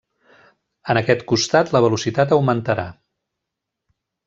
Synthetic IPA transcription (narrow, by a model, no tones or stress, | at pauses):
ənəkɛt̪kust̪at̪ləβ̞əlusit̪at̪̬əwmənt̪əɾa